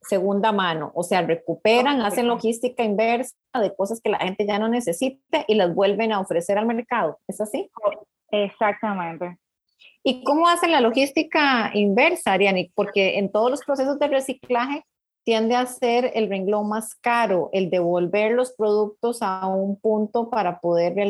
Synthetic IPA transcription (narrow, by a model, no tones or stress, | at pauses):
se̞ɣund̪amãno̞̰ʔose̞are̞kupeɾaŋasenlo̞xist̪ikaimbeɾs | aðe̞ko̞saske̞la̰xe̞nt̪e̞ʝano̞ne̞se̞sit̪eʔilazbwe̞lbe̞naofɾe̞se̞ɾalme̞ɾkað̞oe̞sasi | esak̚t̪amẽnt̪e | iko̞moase̞nlalo̞xist̪ikaimbe̞ɾsaɾjanipo̞ɾke̞ent̪o̞ð̞olospɾose̞s̬ozd̪ere̞siklaxe̞ | t̪je̞nd̪easeɾelreŋɡlomaskaɾo̞ʔe̞ld̪e̞βo̞lbe̞ɾlo̞spɾo̞ðuk̚t̪o̞saumpunt̪o̞paɾapo̞ðe̞ɾrea